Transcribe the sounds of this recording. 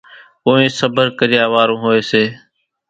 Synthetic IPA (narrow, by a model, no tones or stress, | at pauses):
oːẽːsəbəɾkəɾɪjaːʋaːɾõːɦoːeːseː